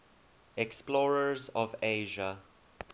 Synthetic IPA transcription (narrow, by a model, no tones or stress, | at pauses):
ɛksplɔːɹəzɔveʒə